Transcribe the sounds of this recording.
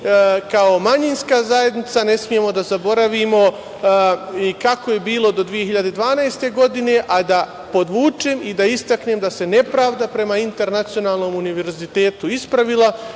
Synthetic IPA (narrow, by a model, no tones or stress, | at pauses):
kao̞maɲinskazaje̞d̪nit̪sane̞smije̞mo̞d̪azabo̞ɾaʋimo̞ | ikako̞je̞biːlˠo̞d̪od̪ʋije̞hiʎad̪e̞d̪ʋaːnajst̪e̞ɡo̞d̪ine̞ʔad̪a | po̞d̪ʋuːt͡ʃe̞ːmid̪aist̪akneːmd̪ase̞ne̞pɾaːʋd̪apɾe̞maint̪e̞ɾnat̪sio̞naːlˠno̞ːmuniʋe̞ɾzit̪e̞ːt̪uispɾaʋilˠa